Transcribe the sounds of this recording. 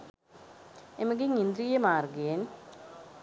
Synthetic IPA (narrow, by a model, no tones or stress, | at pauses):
emɐɡiŋind̪ɾijɐmaːrɡeːn